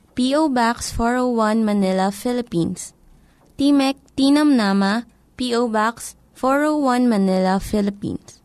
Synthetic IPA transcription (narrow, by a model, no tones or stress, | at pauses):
piːowbaksfɔɹowwɐnmɐnɪlɐfɪlɪpins | t̪imɛk̚t̪inɐmnama | piʔowbaks | fɔɹowwɐnmɐnɪlɐfɪlɪpḭns